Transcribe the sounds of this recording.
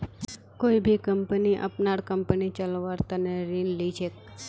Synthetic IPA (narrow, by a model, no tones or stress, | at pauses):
koibʱikəmpəniʔə̰pnaɽkəmpənit͡ʃəlʋaɾt̪əneɾinlid͡ʒʰek